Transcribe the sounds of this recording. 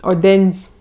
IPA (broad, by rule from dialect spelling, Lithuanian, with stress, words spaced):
oːˈdʲɛnʲsʲ